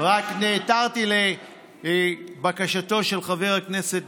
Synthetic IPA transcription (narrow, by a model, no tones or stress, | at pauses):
ʁakneːtaʁt̪ile̞ | bakaʃato̞ʃe̞lχave̞ʁakne̞set